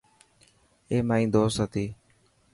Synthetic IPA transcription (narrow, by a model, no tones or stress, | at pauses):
eːmaːĩːd̪oːsɦət̪iː